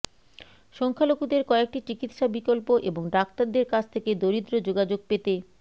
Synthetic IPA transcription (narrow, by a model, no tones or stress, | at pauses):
ʃɔŋkʰalokud̪eɾkɔek̚ʈit͡ɕikit̪ʃabikolpoʔeboŋɖak̚t̪aɾd̪eɾkat͡ɕʰt̪ʰeked̪oɾid̪ɾod͡ʑoɡad͡ʑoɡ̚pet̪e